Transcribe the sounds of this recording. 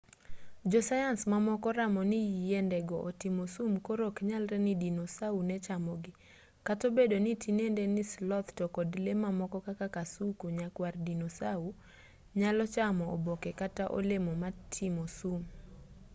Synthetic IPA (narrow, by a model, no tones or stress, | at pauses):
d͡ʒɔsajansmamɔkɔɾamɔnɪjijendɛɡɔʔotimosumkoɾokɲalɾɛnɪdinɔsaunɛt͡ʃamɔɡɪ | katobedonitinendɛnislɔt̪tɔkɔdlemamɔkɔkakakasukuɲakwardinosau | ɲalɔt͡ʃamɔo̰bokɛkataʔo̰lemɔmatʰɪmosum